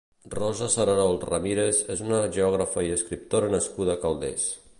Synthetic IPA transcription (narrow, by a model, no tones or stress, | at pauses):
rɔzəsəɾanɔlˠt̪rəmiɾezezunəʒeɔɣ̞ɾəfəiəskɾip̚t̪oɾənəskuð̞əkalˠd̪ḛs